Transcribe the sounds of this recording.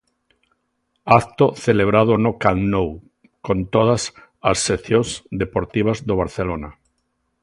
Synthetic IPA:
akt̪oθeleβ̞ɾað̞ʊnokaŋnow | kõnt̪oð̞as | asːeθjõsd̪epoɾt̪iβ̞azðoβ̞aɾθelona

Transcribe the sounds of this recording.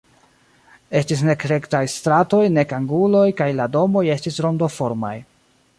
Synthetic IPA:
e̞stis̬ne̞kɾe̞ktajstɾato̞jne̞kaŋɡulo̞jkajlado̞mo̞je̞stisɾo̞ndo̞fo̞ɾma̰j

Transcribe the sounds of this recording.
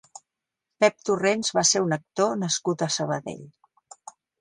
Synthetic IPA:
pɛp̚t̪urenzβaseɾunək̚t̪onəskut̪əsəβ̞əðḛʎ

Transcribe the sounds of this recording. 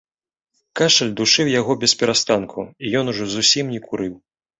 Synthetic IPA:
kaʂɐlʲd̪uʂɨwjaɣɔbʲɛspʲɛɾast̪ankʰuijɔnuʐɔzusʲimnʲɛkʰuɾɨw

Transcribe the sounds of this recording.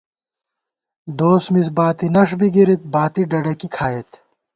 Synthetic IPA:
d̪oːsmisbaːt̪inɐʂbiɡiɾit̪̚baːt̪iɖɐɽɐkikʰaːet̪

